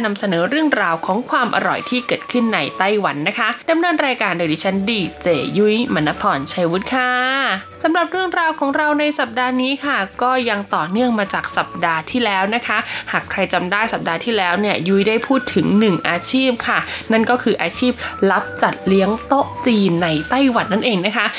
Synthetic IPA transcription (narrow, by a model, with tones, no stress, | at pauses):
na˧msa˧nɤː˩˦ɾɯ˥˩əŋɾaː˧wkʰɔː˩˦ŋkʰwaː˧mʔa̰˧ɾɔ̰˨˩jt̪ʰiː˥˩kɤː˨˩t̪̚kʰɯ˥˩nːa˧jt̪a˥˩jwa˩˦nːa˦˥kʰa˦˥da˧mnɤː˧nɾaː˧jkaː˧ndoː˧˩diː˧˩t͡ɕʰa˦˥ndiː˧˩t͡ɕeː˨˩ju˦˥jma˧˦nːa˧˥pʰɔː˧nt͡ɕʰa˧jwu˦˥t̪̚kʰa˥˩sa˨˦mɾa˨˩p̚ɾɯ˥˩əŋɾaː˧wkʰɔː˩˦ŋɾa˧wna˧jsa˨˩p̚daː˧niː˦˥kʰa˥˩kɔː˥˩ja˧ŋt̪ɔː˨˩nɯ˥˩əŋmaː˧t͡ɕaː˨˩k̚sa˨˩p̚daː˧t̪ʰiː˥˩lɛː˦˥wna˦˥kʰa˦˥haː˨˩kʰɾa˧jt͡ɕa˧mdaː˥˩jsa˨˩p̚daː˧t̪ʰiː˥˩lɛː˦˥wni˥˩ɐju˦˥jdaː˥˩jpʰuː˥˩t̪ʰːɯ˩˦ŋnɯ˨˩ŋʔaː˧t͡ɕʰiː˥˩p̚kʰa˥˩na˥˩nkɔː˥˩kʰɯː˧ʔaː˧t͡ɕʰiː˥˩p̚la˦˥p̚t͡ɕa˨˩t̪̚li˦˥əŋt̪o˦˥ʔ̚t͡ɕiː˧nːa˧jt̪a˥˩jwa˩˦nːa˥˩nʔeː˧ŋna˦˥kʰa˦˥ʔ